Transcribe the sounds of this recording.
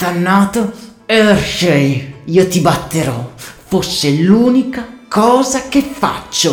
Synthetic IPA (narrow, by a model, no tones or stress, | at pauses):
t̪anːaːt̪o | ɛɾʃɛjiːot̪ibat̪ːeɾɔfosːeluːnikakʰɔːzak̟efːa̰t͡ʃːo